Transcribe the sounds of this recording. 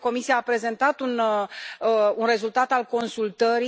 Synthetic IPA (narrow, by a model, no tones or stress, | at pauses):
ko̞misiaːpɾe̞ze̞nt̪at̪un | unre̞zult̪at̪alko̞nsult̪əɾi